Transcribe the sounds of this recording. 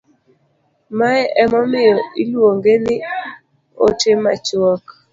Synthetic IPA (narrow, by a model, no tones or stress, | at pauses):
maɛɛmɔmɪjɔilwoŋɡenɪ | o̰temat͡ʃɔk